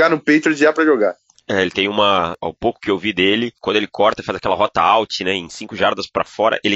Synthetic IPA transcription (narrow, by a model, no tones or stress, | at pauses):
anʊpejt̪ɾozd͡ʒiapɾɐʒoɡa | ɛelɪt̪ẽj̃ũmɐa̰wpowkʊ̥kɪewvid̪elɪkw̃d̪ʊelɪkʰɔɾt̪ɐfazakɛlɐɦɔt̪ɐawt͡ʃɪnɛẽj̃sĩkʊʒaɾd̪ɐspɾɐ̰fɔɾɐ̰ʔelɪ